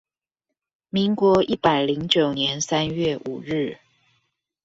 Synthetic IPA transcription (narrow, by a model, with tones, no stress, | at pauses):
mi˧˦ŋkwɔ˧˦ʔi˥˩pa˨˩ɪli˧˦ŋt͡ɕjo˨˩ʊnjɛ˧˦nsa˦nɥɛ˥˨ʔu˨˩ɻɻ̩˥˩